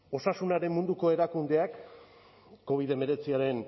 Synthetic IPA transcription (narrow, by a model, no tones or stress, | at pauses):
o̞sasunaɾe̞mmund̪uko̞e̞ɾakund̪e̞akː | o̞β̞ið̞e̞me̞ɾe̞t͡siaɾe̞n